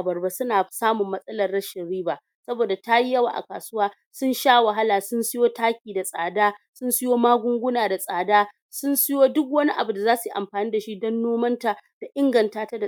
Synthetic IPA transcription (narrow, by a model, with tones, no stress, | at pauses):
bɐ˨rba˨sʊ˦naː˨saː˦mʊ˨mːɐ˦sʼɐ˦lɐ˨rɽɐ˦ʃɪ˨nɽiː˦ba˨ | sɐ˦boː˨da˨ta˦ji˦jɐ˦wa̰˨ʔa̰˨ka̰ː˨sʊ˦waː˦ | sʊ˦nʃaː˦wɐ˨ɦa˦laː˨sʊ˦nsɪ˦joː˦taː˦kʲiː˨da˨sʼaː˨daː˦sʊ˦nsʊ˦joː˦maː˦ɡʷʊ˦ŋɡʷʊ˦naː˨da˨sʼaː˨daː˦ | sʊ˦nsʊ˦joː˦dʊ˦k̬wɐ˦ni˦ʔa̰˨bu˨da˨zaː˦su˨jʔa̰˨mɸaː˨niː˦da˨ʃi˦dɔ˦nːoː˦mɐ˦nta˨d̥a˨ʔɪ˦ŋɡɐ˨ntaː˦ta˦da˨